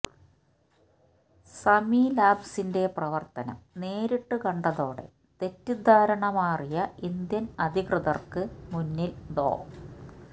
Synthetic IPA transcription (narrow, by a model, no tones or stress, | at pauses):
sɐmilaːbsinde̞prɐʋɐrt̪ɐnɐ̰mne̞ːɾiʈːɨkɐɳɖɐðo̞ːɽe̞̰ | t̪e̞tːid̪ʱaːɾɐɳɐmaːrijɐind̪jɐnɐd̪ʱiɣrɨðɐrkɨmunːilɖo̰ː